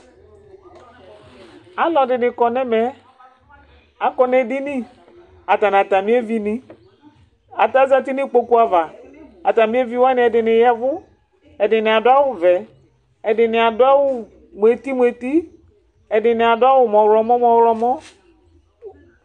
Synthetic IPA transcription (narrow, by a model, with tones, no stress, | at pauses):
a˨˦lɔ˨dɪ˨nɪ˨kɔ˨nɛ˦mɛ˦ | a˨kɔ˦nɛ˨di˦nɪ̃˦ | a˨ta˨n˨a˨ta˨mĩ˦e˦vi˦nɪ̃˦ | a˨ta˦za˦ti˦nɪ˦k͡po˦ku˦a˦˨va˨a˨ta˨mi˦e˦vi˦wa˦nɪ̃˨˦ɛ˨dɪ˨nɪ˨jɛ˦vʊ˦ | ɛ˨dɪ˨nɪ˨a˨dʊ˦a˦wʊ˦vɛ˨ | ɛ˨dɪ˨nɪ˨a˨dʊ˦a˦wʊ˦ | mʷ˨e˨ti˦mu˨e˨ti˦ | ɛ˨dɪ˨nɪ˨a˨dʊ˦a˦wʊ˨mɔ˨wlɔ˨mɔ̃˦mɔ̃˨wlɔ˨mɔ˦